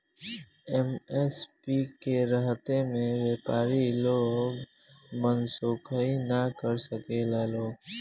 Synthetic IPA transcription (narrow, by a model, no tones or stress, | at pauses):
ɛmɛspikeɾəɦt̪emẽʋeːpaːɾiloːɡ | mənsoːkʰəinakəɾsəkelaloːɡ